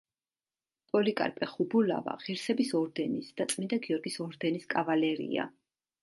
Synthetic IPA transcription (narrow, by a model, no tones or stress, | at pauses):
pʼɔlikʼa̰ɾpʼɛχubula̰va̰ʁiɾsɛbisɔɾd̪ɛnisd̪̥at̪sʼmind̪aɡiɔɾɡisɔɾd̪ɛniskʼavalɛɾḭa̰